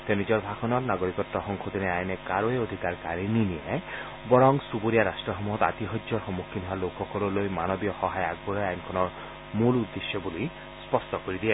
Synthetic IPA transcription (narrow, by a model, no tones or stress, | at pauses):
t̪enid͡ʒɔɾbʱakʰɔnɔɾnaɡoɾikɔt̪ːɔɦɔŋkʰɔd̪ineajnekaɾoeod̪ʱikaɾkaɾininie | bɔɾɔŋsuboɾijaɾasʈɾɔɦɔmuɦɔt̪a̰t̪iɦɔd͡ʒjɔɾxɔmukʰːinʱɔalokʰɔkɔɾɔlojmanɔbiɔhɔɦajaɡbɔɾɔjajnkʰɔnɔɾ | mulud̪ːesjɔbuli | spɔsʈɔkɔɾid̪ie